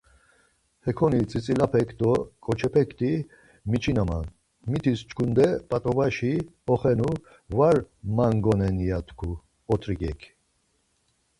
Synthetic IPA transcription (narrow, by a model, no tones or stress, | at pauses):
hɛkʰɔnit͡sʼit͡sʼilapʰɛkʰd̪ɔkʼɔt͡ʃʰɛpʰɛkʰt̪ʰʼi | mit͡ʃʰinama̰n | mit̪ʰist͡ʃʰkʰund̪ɛpʼat̪ʼɔvaʃiɔχɛnu | vaɾmaŋɡɔnɛnijat̪ʰkʰu | ɔt̪ʰɾikʼɛ̰kʰ